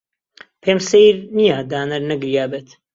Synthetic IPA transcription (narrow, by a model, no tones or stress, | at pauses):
pʰeːmsejɾnijad̪aːnɐɾnɐɡɾijaːbeːt̪